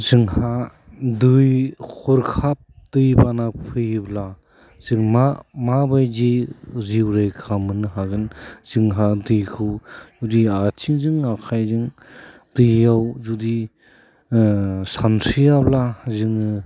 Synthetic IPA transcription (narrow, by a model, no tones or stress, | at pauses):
zɯŋha | dɯjkʰɔɾkʰap̚d̥ɯjbanapʰɯjbla | z̥ɯŋmamabajd͡ʒiziwɾajkʰamɯnɯɦaɡɯnzɯŋɦadɯjkʰɯwzudiat͡ʃʰiŋzɯŋakʰajzɯŋ | d̥ɯjːawzudi | sansijablazɯŋɯ